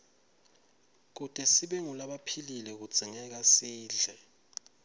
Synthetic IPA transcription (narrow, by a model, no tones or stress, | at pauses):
k̬ud̥ʱʼɛsiɓɛŋulaɓapʰililɛk̬u̥z̥ʱiŋɛk̬asiːɮʱɛ